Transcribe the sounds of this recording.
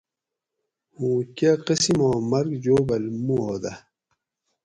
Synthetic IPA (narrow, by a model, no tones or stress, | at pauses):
hũːkaqəsimõːmɐɾɡd͡ʑoːbɐlmuɦoːd̪ɐ